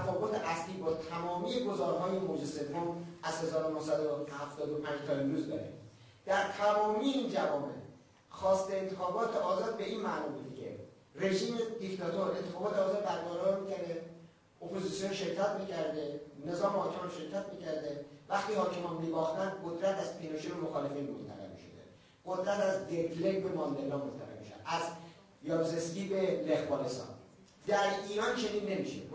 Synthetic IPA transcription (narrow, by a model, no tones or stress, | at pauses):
æfɒːbot̪ʰeʔæsliːbɒːt̪ʰæmɒːmiːjeɡozɒːɾɦɒːjemod͡ʒese̞vɦomæzhe̞zɒːɾonohsæd̪ohæft̪ɒːd̪opʰæ̃nd͡ʒt̪ʰɒemɾuːzd̪ɒːɾḛ | d̪̥æɾt̪ʰæmɒːmiːjeiːnd͡ʒævɒːmḛ | xɒːst̪eːnt̪ʰexɒːbɒːt̪eɒːzɒːd̪̚be̞inmæʔnɒːbud̪kʰḛ | re̞ʒiːmed̪ikt̪ʰɒt̪ʰoɾe̞nt̪ʰe̞xɒːbɒːt̪ʰeɒːzɒɾbæɾd̪ɒɾɒɾmiːk̪ʰæɾe | opʰo̞ziːsijonʃeɾcʰːæt̪miːcʰæɾd̪ene̞zɒːmehɒːcʰemɒnʃe̞ɾkʰæt̪miːcʰæɾd̪evæχt̪iːhɒːcʰemɒnmibɒːxt̪ænd̪qod̪ɾæt̪æz̥pʰenoʃeɾemoxɒːle̞finmo̰nt̪ʰæ̰ɾḛɾmḭʃo̰d̪ḛ | ɡod̪ɾæt̪æzd̪eɾkʰleɡbemɒnd̪elːɒːmoɾt̪ʰæ̰ɾḛɾmḭʃæ̰æz | jɒbzesciːbelexbɒːnest̪ɒ̰ːn | d̪æɾiːɾɒːnt͡ʃʰe̞ninːe̞miʃḛ